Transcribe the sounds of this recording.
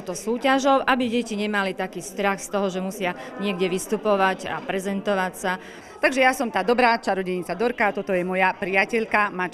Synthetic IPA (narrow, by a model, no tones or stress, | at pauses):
t̪ɔsuːcaʒɔʊʔabiɟɛciɲɛmalit̪akiːst̪ɾaxst̪ɔɦɔʒɛmusɪaɲɪɛɡɟɛʋist̪upɔʋaɟa̰pɾɛzɛnt̪ɔʋacsa | t̪aɡʒɛjasɔmt̪aːd̪ɔbɾaːt͡ʃaɾɔɟɛɲit͡sad̪ɔɾkat̪ɔt̪ɔjɛmɔjapɾiacɛʎkamat͡ʃ